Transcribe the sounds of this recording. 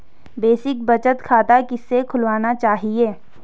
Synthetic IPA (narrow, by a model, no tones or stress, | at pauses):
beːsɪk̚bɐt͡ʃət̪kʰaːt̪akɪsːekʰʊlʋaːnat͡ʃaːɦieː